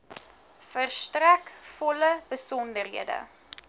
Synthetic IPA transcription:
fərstrækfɔləbəsɔndərɦḭədə̰

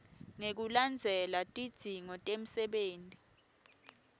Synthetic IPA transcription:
ŋek̬uland͡zʱɛlatʼid̥ʱiŋɔtʼem̩sɛɓeːntʼi

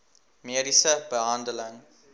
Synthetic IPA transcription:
meɾisəbəɦãndələ̃ŋ

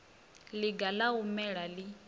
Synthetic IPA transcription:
liɡalaumɛɺali

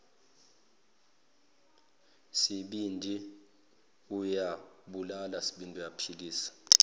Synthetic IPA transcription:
siɓindʱi | ujaɓulalasi̥ɓindʱujapʰiliːsḁ

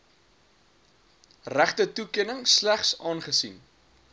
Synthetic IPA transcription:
ræχtətukiənəŋslæχsɑːnχəsḭn

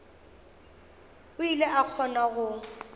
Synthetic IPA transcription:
ʊileʔak͡xʰɔnaɣʊ

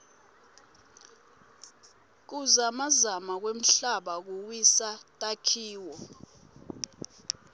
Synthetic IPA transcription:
k̬uzamazamak̬wem̩ɬaɓak̬uwisatʼakʰiːwɔ

